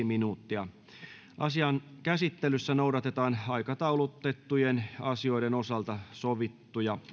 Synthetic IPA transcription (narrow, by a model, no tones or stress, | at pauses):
iminuːt̪ːiɑ | ʔɑsiɑnkæsit̪ːelysːænoudɑt̪et̪ɑːnɑikɑt̪ɑulut̪ːet̪ːujenɑsio̞idenosɑlt̪ɑsoʋit̪ːujɑ